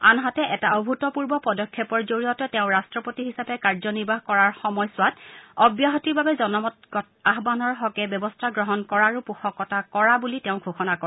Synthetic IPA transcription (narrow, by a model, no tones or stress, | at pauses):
a̰nɦatɛʔɛtaɔbʱutɔpuɹbɔpɔdɔkʰːjɔpɔɹzoɹiɔtɛtɛʊ̃ɹastɹɔpotiɦisapɛkaɹzɔniɹbaɦkɔɹaɹxɔmɔjsʊwatɔbjaɦɔtiɹbabɛzɔnɔmɔtɡɔtaɦbanɔɹɦɔkɛbjɔbɔstʰaɡɹɔɦɔnkɔɹaɹupuxɔkːɔtakɔɹabulitɛʊ̃ɡʱoxɔnakɔ